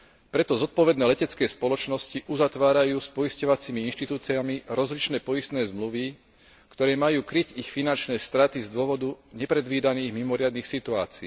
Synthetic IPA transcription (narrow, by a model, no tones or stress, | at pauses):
pɾɛt̪ɔzɔt̪̚pɔʋɛd̪nɛːlɛcɛt͡skɛːspɔlɔt͡ʃnɔsciʔuzat̪ʋaːɾajuːspɔiscɔʋat͡simiinʃt̪it̪uːt͡siamiɾɔzlit͡ʃnɛːpɔist̪nɛːzmluʋi | kt̪ɔɾɛːmajuːkɾicixfinant͡ʃnɛːst̪ɾat̪izd̪ʊɔʋɔd̪uɲɛpɾɛd̪ʋiːd̪aniːɣmimɔɾɪad̪niːxsit̪ua̰ːt͡siː